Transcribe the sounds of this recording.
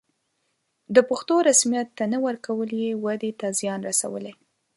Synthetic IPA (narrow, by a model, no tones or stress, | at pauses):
d̪əpaxt̪oɾasmijat̪ːanawəɾkawəljewad̪et̪azjɑnɾasa̰wə̰le